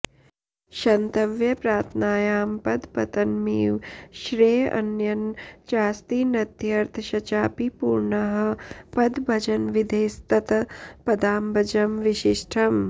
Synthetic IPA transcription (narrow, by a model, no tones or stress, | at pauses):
ʃɐnt̪ɐʋjɐpɾaːt̪ʰnaːjaːmpɐd̪pɐt̪ɐnmiːʋʃɾeːɐ̰njɐnt͡ʃaːst̪iːnɐt̪jɐɾt̪ʰʃɐt͡ʃaːpipuːɾɳɐɦɐ̆pɐd̪bʱɐd͡ʒɐnʋid̪ʱeːst̪ɐt̪ɐpɐd̪aːmbʱɐd͡ʒɐmʋiʃiʂʈʰɐm